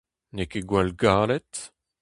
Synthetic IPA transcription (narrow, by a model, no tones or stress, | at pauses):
nekeɡwalɡaːlɛt̪